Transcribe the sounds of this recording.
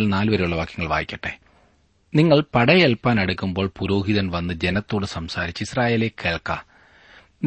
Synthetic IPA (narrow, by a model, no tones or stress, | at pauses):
lnaːlɨʋɐɾejuɭːɐʋaːkjɐŋːɐɭʋa̰ːjikʲːɐʈːe | niŋːɐɭpɐɽɐjelpːaːnɐɽukːumbo̞ːɭpuɾo̞ːɦiðɐnʋɐnːɨd͡ʑe̞nɐt̪ːo̞ːɽɨsɐmsaːɾit͡ɕːɨisraːje̞ːlekːeːɭkːa̰ | n